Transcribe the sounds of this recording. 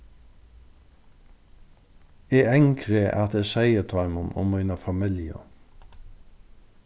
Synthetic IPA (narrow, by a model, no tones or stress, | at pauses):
ɛːɛŋkʰɾeʔa̰t̪ɛːsɛjət̪ʰɔʏmʊnʊ̰mːiːnəfamɪljə̰